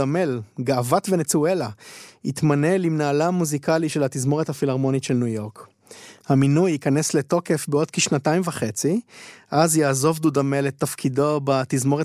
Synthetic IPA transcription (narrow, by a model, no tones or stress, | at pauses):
ame̞lɡaːvatvenet͡sue̞laitmane̞limnaːlamuzikaliʃe̞lat̪izmo̞ʁethafilaʁmo̞nitʃe̞lnujo̞ʁk | haminujikanesle̞to̞ke̞fbeo̞d̪̚kiʃnataimvaχe̞t͡siʔazjaːzo̞vd̪udame̞let̪ːafkʰido̞bat̪izmo̞ʁe